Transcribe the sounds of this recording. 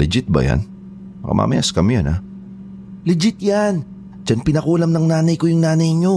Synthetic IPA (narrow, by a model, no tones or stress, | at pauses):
lɪd͡ʒɪt̪̚bɐ̰ja̰n | mɐkɐ̰mʔa̰mɐjaskɐmɪjana̰ | lɪd͡ʒɪt̪̚jan | d͡ʒanpɪnɐkuːlɐmnɐŋnaːnɐjkojʊŋnaːnɐjɲo̞